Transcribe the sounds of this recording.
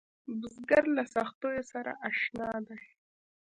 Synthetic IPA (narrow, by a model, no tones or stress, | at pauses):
bʊzɡaɾlasaxt̪ojosaɾa̰ʔaʃnɑd̪aj